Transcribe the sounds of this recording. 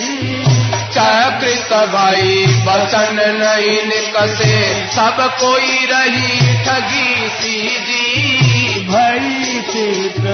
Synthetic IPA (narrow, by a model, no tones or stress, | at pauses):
t͡ʃɛkɾɪt̪əbʱaːibɐsənnɐĩnɪkəsesɐbkoːiɾɐɦiʈʰɐɡisi | d͡ʒi | bʱaːi | se